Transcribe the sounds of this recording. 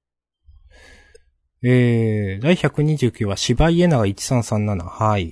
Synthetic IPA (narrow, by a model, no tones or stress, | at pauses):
eːd̪aiçakɯ̟ɲ̟iʑɨːkʲɨːβaɕibaie̞naɡait͡ɕi̥sãɰ̃sãnːanahai